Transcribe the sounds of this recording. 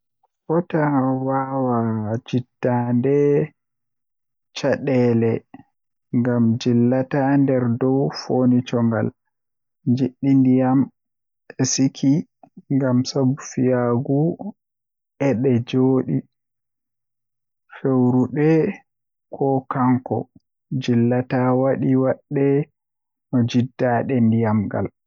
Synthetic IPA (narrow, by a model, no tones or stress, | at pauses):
fɔtawawad͡ʒidːandɛ | t͡ʃaɗɛːlɛ | ŋɡamd͡ʒilːatandɛɾdɔwfonit͡ʃɔŋɡa̰l | d͡ʒiɗːindijam | ɛsikʰiŋɡamsabufijaɡu | ʔɛɗɛd͡ʒoːɗi | fewɾuɗɛ | kʰɔkaŋkɔ̰ | d͡ʒilːatawaɗiwaɗːɛ | nɔd͡ʒidːaɗɛndijamɡa̰l